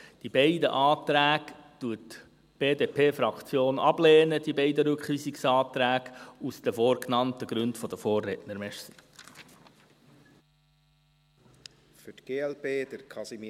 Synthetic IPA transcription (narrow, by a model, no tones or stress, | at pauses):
d̥ibɛɪdə̰ʔɑːt̪ɾæːɡtuət | b̥eːdeːpʰeːfɾɑkt͡sjoːnɑb̥leːnəd̥ibɛɪdəɾɵkχʋiːsiksɑːtɾæːɡ̥usd̥̪əfoːɾknɑntəɡ̥ɾʉndfɔd̥̪əfoːrːɛtnəɾmɛʃsə | fʏtɡ̥eːɛlpeːd̥əɾkʰɑsimi